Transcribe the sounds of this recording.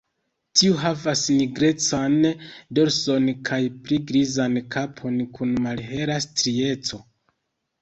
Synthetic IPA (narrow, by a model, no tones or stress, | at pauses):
tʰiuɦavasniɡɾe̞t͡sando̞ɾso̞nkʰajpliɡɾizankʰapʰo̞nkʰunmalɦe̞ɾastɾie̞t͡so̞